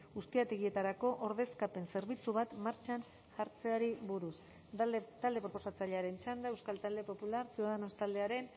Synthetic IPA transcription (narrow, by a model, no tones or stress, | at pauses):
ust̪iat̪e̞ɣie̞t̪aɾako̞ʔoɾðe̞skape̞nse̞ɾβit͡suβat̪maɾt͡ʃan | ʝaɾt͡se̞aɾiβuɾus | t̪ald̪e̞pɾo̞po̞sat͡saʎe̞aɾe̞nt͡ʃand̪ae̞wskalt̪ald̪e̞po̞pulaɾsiðaðanost̪ald̪e̞aɾe̞n